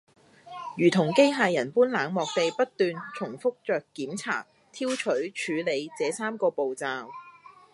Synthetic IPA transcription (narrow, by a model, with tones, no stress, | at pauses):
ɥyː˨˩t̪ʰʊ˨˩ŋke˥jɦaː˧jɐ˨˩npuː˥nlaː˨˧ŋmɔː˨k̚t̪e˨˧jpɐ˥t̚t̪yː˨˧nt͡sʰʊ˨˩ŋfʊ˥k̚t͡ʃœː˨kːiː˨˥mt͡sʰa̰ː˨˩t̚ | t̪ʰiː˥wt͡ʃʰɵ˨˥ɥt͡ʃʰyː˨˧le˨˧jt͡sɛː˨˧saː˥mkɔː˧po˨wt͡saː˧w